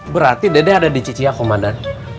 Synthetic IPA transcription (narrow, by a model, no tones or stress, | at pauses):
bəɾart̪idedɛadadit͡ʃit͡ʃiakomadan